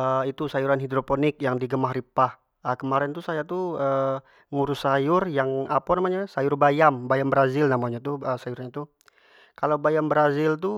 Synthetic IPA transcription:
əit̪usajuɾanɦidɾoponɪk̚jaŋdiɡəmahripah | əkəmaɾɛnt̪usajat̪uə | ŋuɾʊsajʊrjaŋapanamaɲasajʊrbajambajambəɾazɪlnamaɲat̪uəsajuɾaɲat̪u | kalawbajambɾazɪlt̪̬u

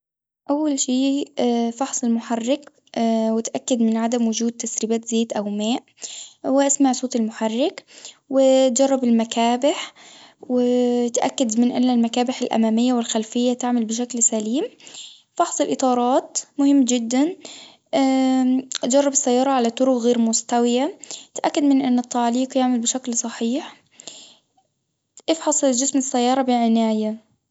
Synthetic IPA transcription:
ʔawːalʃiːfɑħsˤɪlmʊħarːɪk | wɪt̪ʔakːad̪mɪnʕad̪amwʊd͡ʒuːd̪̚t̪ːasɾiːbaːt̪zeːt̪ʔawmaːʔ | wɪʔasmaʕsˤoːt̪ɪlmʊħarˤːɪk | wɪt̪d͡ʒɑrˤːɑbɪlmakaːbɪħwɪt̪ʔakːad̪mɪnʔanːalmakaːbɪħalʔa̰maːmɪjːawɪlxalfɪjːat̪aʕmalbɪʃ̬aklsaliːm | fɑħsˤɨlʔɨt̪ˤɑːɾˤɑːt̪mʊhɪmːd͡ʒɪd̪ːan | ʔd͡ʒɑrˤːɑbɪsːajːɑːɾˤɑʕalat̪ˤːʊɾʊkɣeːɾmʊst̪awɪjat̪ʔakːad̪mɪnʔɪnːɪt̪ːaʕliːqjaʕmalbɪʃaklsˤɑħiːħ | ʔɪfħɑsˤd͡ʒɪsmɪsːajːɑːɾˤɑbɪʕɪnaːja

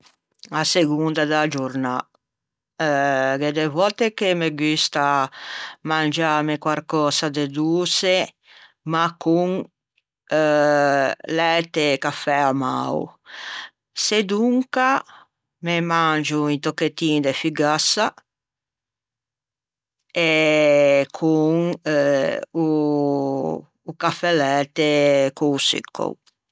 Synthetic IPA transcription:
aseɡund̪ad̪ad͡ʒuɾna | ɡed̪evɔt̪ekemeɡyst̪a | mand͡ʒamekwaɾkɔːsad̪ed̪uːse | makːuŋ | lɛt̪ekafɛama̰w̰ | sed̪uŋka | memand͡ʒuint̪okːet̪ːiːnd̪efiɡasa | e | kʰuŋ | u | kafɛlɛːt̪ekuusḭkʰːo̰

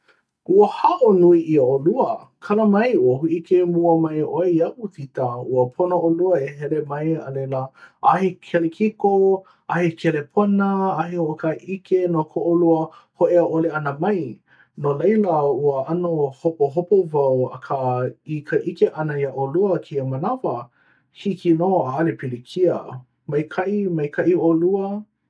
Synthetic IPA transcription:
ʔuəhaʔonuiʔiəoluəkʰɐləmɐjuəhuʔikemuəmɐjʔoeɐʔutʰitauəpʰonoʔoluəeɦɛlemɐjə̰lejləʔahekʰɛlekʰiko | ʔahekʰelepʰonəaɦehoʔokaʔikenokʰoʔoluəhoʔeəʔoleɐnəmɐj | nolejləuəanohopoɦopovawɐ̰kʰaikʰəʔikeʔɐnəjaʔoluəkʰiəmɐnavɐ | hikinoːaalepilikʰiə̰ | mɐjkʰɐʔimɐjkʰaʔioluə

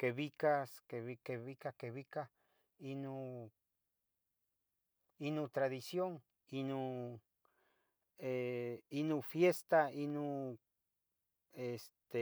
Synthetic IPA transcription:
keβikaskeβikeβikakeβika | inu | inut̪ɾaðisjoŋ | inu | einufjest̪ainu | est̪e

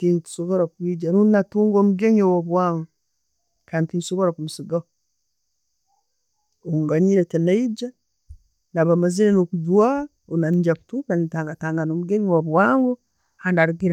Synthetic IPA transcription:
tintsoɡoɾakuid͡ʒanunːatuŋɡomuɡeɲowabaŋɡo | kantinsoɡoɾakumusiɡa | oŋɡaɲiɾetenaid͡ʒa | naβamaziɾenokud͡ʒua | onand͡ʒakutupanitaŋɡataŋɡanomuɡeɲwaβwaŋɡo | handaɾɡiɾa

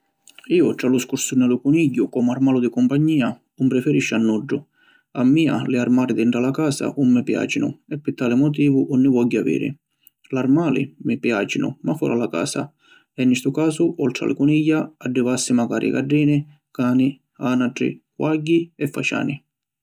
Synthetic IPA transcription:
iːʊt̪ɾalʊskuɾsunalʊkuniɟːʊkɔmarmaːlʊd̪ɪkɔmpaɲːiːa | umpɾɪfɛɾiʃːanːuɖːʊ | amːiːa̰lɪaɾmaːɾɪd̪iɳʈɾalakaːsa̰ʔumːɪpja̰ːt͡ʃɪnʊ̰ɛpːɪt̪ːaːlɪmɔt̪̬iːvʊʔunːɪvɔɟːɪavḭːɾɪ̰ | larmaːlɪ̰mɪpjaːt͡ʃɪnʊ̰mafɔ̰ɾʔalaka̰ːsa̰ | ɛnːɪst̪ʊkaːsʊʔɔlt̪ɾa̰lɪ̰kunijːaaɖːɪvasːɪmaka̰ːɾʔiɪ̰ka̰ɖːiːnɪ | kaːnɪ | anaʈɾḭkwaɟːiɛfːa̰t͡ʃa̰ːnɪ

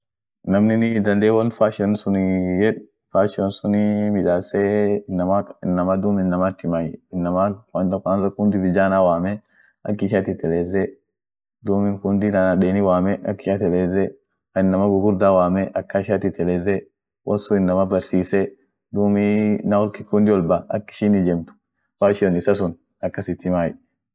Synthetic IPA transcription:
nɐmnɪnɪd̪ɐnd̪eːwɐnfaːʃɐnsʊnjɛᶑ | faːʃɪwɔnsʊnɪmɪᶑaːsɛɪnːɐmɐɪnːɐmɐd̪uːmɪnːɐmat̪ːɪmajɪnːɐmɐɐnt̪ɐkansɐkʊnd̪ɪbɪd͡ʒaːnaːwaːmɛ | ɐkːɪʃ̬at̪ɪt̪ɛleːzɛ | d̪uːmɪŋkʊnd̪ɪnanɐɗeːnɪwaːmɛɐ̰kːɪʃat̪ɛleːzɛ | ɪnːɐmɐɡʊɡʊɾd̪awaːmɛʔɐkːɐɪʃat̪ɪt̪ɛleːzɛ | wʔɐnsʊɪnːɐmɐbɐɾsiːsɛ | d̪uːminɐwɔɾkɪkʊnd̪ɪwɔlbaɐ̰kːɪ̥ʃɪnɪd͡ʒɛmt̪ʊ̥ | waʃɪɔnɪsɐs̬ʊn | ɐkːɐsɪt̪ːɪmaːjɛ

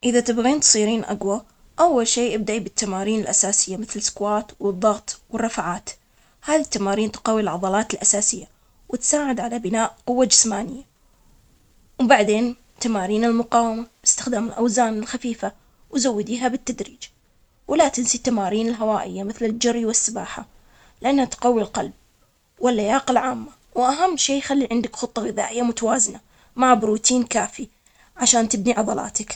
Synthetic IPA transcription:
ʔɪðat̪ɪbɣiːnt̪sˤiːɾiːnʔa̰ɡwa | ʔawːalʃeːʔab̚d̪aʔibɪt̪ːamaːɾiːnɪlʔasaːsɪjːamɪθlskwaːt̪wɨðˤːɑɣt̪ˤwɪrˤːɑfʕaːt̪ | haːðit̪ːamaːɾiːnt̪qɑːwːilʕɑðˤɑlɑːt̪ɪlʔasaːsɪjːa | wɪt̪saːʕɪd̪ʕalabɪnaːʔqʊwːad͡ʒɪsmaːnɪjːa | wbaʕd̪eːn | t̪amaːɾiːnɪlmʊqɑːwamab̥ɪ̥st̪ɪ̥xd̪aːmɪlʔawzaːnɪlxafiːfa | wzawːɪd̪iːɦabɪt̪ːad̪ɾiːd͡ʒ | wlat̪ɪnsit̪amaːɾiːnɪlɦawaːʔɪ̰jːamɪθlɪld͡ʒarːiwɪsːɪbaːħa | lɪʔanːhat̪qawːilqalb̚ | walːajaːqalʕaːmːa | wʔaɦamːʃeːjxalːiʕɪnd̪ɪkxʊt̪ˤːɑɣɪða̰ːʔɪjːamʊt̪awaːzɪna | maʕbʊɾuːt̪iːnkaːfi | ʕaʃaːnt̪ɪbniʕɑðˤɑlɑ̰ːt̪ak

